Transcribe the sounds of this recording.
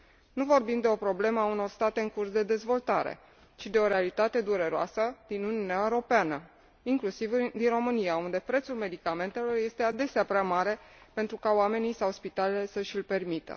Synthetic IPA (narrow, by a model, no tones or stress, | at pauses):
nuvo̞rbimd̪e̞o̞pɾo̞ble̞məauno̞rst̪at̪e̞ɨŋkursd̪e̞d̪e̞zvo̞lt̪aɾḛ | t͡ʃid̪e̞o̞ɾe̞alit̪at̪e̞d̪uɾe̞ɾoa̰səd̪̥inunijunaeɾo̞peanə | iŋklusivd̪inro̞mɨnijaund̪e̞pɾe̞t̪sulme̞d̪ikame̞nt̪e̞lo̞rje̞st̪e̞ad̪e̞seapɾeamaɾe̞pe̞nt̪ɾukaoame̞nisawspit̪alelesəʃilʲpe̞rmit̪ə̰